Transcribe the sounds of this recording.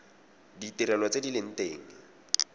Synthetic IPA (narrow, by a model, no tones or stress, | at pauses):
ditɪɾɛlwɔt͡sedilɪn̩teːŋ̩